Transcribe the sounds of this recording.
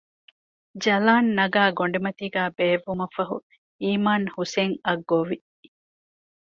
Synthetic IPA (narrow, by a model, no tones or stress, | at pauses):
d͡ʒɐlaːnːɐɡaːɡoɳɖimɐt̪iːɡæːbeːʋːumɐfɐɦṵ | iːmaːnhuseŋɐɡːoʋi